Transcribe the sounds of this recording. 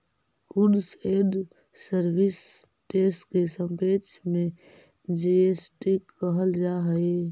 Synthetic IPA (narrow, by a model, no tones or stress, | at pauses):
kuɖseːɖː | əɾʋɪs | ʈeːsʈkesəmpeːt͡ʃʰmẽ | d͡ʒeesʈikəɦəld͡ʒaɦəe